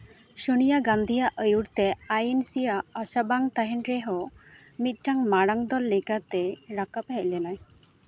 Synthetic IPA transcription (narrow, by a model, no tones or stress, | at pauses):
ʃənijaɡand̪ʱijaʔəjuɽt̪ɛajensijaːsabaŋt̪aɦɛɳɾɛɦɔ | mit̪̚ˀʈaŋmaɽaŋd̪ɔlːɛkat̪ɛɾakap̚hɛc̚lɛnaj